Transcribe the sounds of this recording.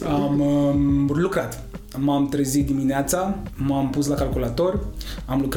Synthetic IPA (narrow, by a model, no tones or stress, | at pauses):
ammlukɾat̪ | mamt̪ɾəzit̪d̪imineat̪samampuslakalkulat̪o̞rʲamluk